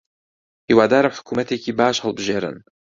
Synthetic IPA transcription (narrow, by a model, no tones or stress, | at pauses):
hiwaːd̪aːɾabħʊ̥kuːmat̪ekibaːʃhɑlbʒeːɾa̰n